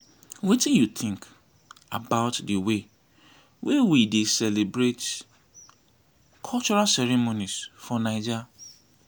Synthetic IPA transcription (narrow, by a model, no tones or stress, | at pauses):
wetĩnjut̪ʰɪ̃ŋk | abaʊtdəwe | wʔɛwidesɛlebɹet | kʰɔlt͡ʃɔɹasɛɾɛmonisfɔnaɪd͡ʒi